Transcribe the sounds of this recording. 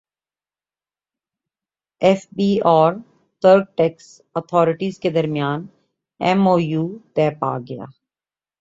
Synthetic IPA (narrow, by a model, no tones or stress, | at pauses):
ɛfbiːɔːɾ | t̪ʰəɾɖ̚ʈɛːks | ət̪ʰɔːɾɪʈiːzked̪əɾmɪjaːn | ɛmoːjuːt̪ɛːpa̰ːɡɐja̰ː